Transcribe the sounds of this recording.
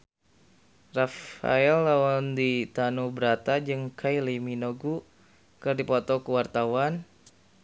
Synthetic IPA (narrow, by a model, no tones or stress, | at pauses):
rafa̰ɛlːawɔndit̪anubəɾat̪ad͡ʒɨŋkʰajliminoɡu | kɨrdipɔt̪ɔkəwart̪awan